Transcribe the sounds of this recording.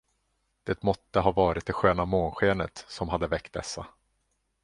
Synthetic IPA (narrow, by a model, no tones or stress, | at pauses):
d̪̥eːt̪mɔt̪ːəɦɑːvɑːɾɪt̪̚d̪ɛɧøːnamoːnɧeːnət̪sɔmɦad̪ːəvɛkt̪̚d̪ɛ̰sːa